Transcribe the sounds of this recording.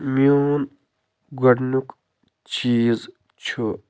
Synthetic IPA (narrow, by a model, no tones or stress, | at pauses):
mjuːn | ɡɐɽnuk | t͡ʃiːz | t͡ʃʰu